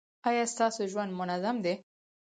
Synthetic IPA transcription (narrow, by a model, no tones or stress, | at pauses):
ɑjɑst̪ɑsoʒwand̪mʊnazamd̪e